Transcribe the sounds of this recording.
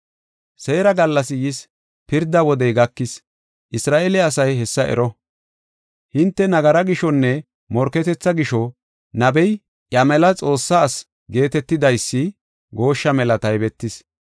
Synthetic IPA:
se̞ːɾɐɡɐlːɐsɪjɪs | pɪɾd̪ɐwɔd̪ɛjɡɐkːɪs | ʔɪsɾaːʔelɪɐsɐjɦɛsːɐʔɛ̰ɾɔ | hɪnt̪ːɛnɐɡɐɾɐɡɪʃɔnːɛ | mɔɾkɛt̪ɛt͡sːɐɡɪʃɔ | nɐbɛj | ʔjɐmɛlɐt͡sʼo̞ːsːaːs | ɡe̞ːt̪ɛt̪ːɪd̪ɐjsːɪ | ɡo̞ːʃːɐmɛlɐt̪ɐjbɛt̪ːɪs

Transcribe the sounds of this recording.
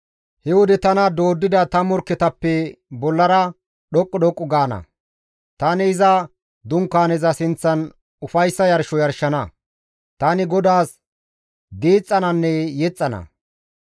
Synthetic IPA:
hɛwɔd̪ɛt̪ɐnɐd̪oːd̪ːɪd̪ɐt̪ɐmɔɾkːɛt̪ɐpːɛbɔlːɐɾɐ | ɗɔkʼːɔɗɔkʼːʊɡaːnɐ̰ | t̪ɐnɪːzɐ | d̪ʊŋkːaːnɛzɐsɪnt͡sːɐn | ʊfɐjsːɐjɐɾʃɔjɐɾʃːɐnɐ | t̪anɪɡɔd̪aːs | d̪iːt͡sʼːɐnɐnːɛjɛt͡sʼːɐnɐ̰

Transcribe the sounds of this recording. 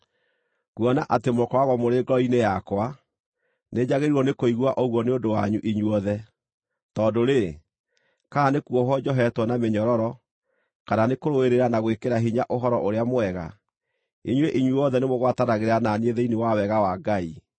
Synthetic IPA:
ɣwɔnaʔatemokɔwaɣwɔmoɾeɡɔinejakwa | ned͡ʑaɣeɾuɔnekoiɣwaʔɔɣwɔneondowaɲuʔiɲwɔðɛ | tɔdoɾe | kanekuɔɦɔd͡ʑɔɦɛtwɔnameɲɔɾɔɾɔ | kananekoɾoeɾeɾanaɣwekeɾaɦiɲaʔoɦɔɾɔʔoɾeamwɛɣa̰ | iɲweʔiɲujɔðɛnemoɣwatanaɣeɾananeðɛinewawɛɣawaɡai

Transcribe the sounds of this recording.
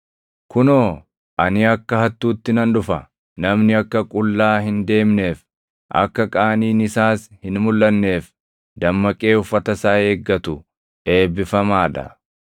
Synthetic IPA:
kʊnoː | ʔɐnɪɐkːɐhɐt̪ːuːt̪ːɪnɐnᶑʊfɐ | nɐmnɪɐkːɐkʼʊlːaːɦɪnd̪e̞ːmne̞ːf | ʔɐ̰kːɐkʼaːniːnɪsaːshɪnmʊlːɐnːe̞ːf | d̪ɐmːɐkʼe̞ːʊfːɐt̪ɐsaːeːɡːɐt̪ʊ | ʔe̞ːbɪfɐmaːᶑɐ̰

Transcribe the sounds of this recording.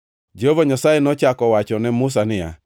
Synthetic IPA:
d͡ʒeɦovaɲasaenɔt͡ʃakɔwat͡ʃɔnɛmʊs̬anɪja̰

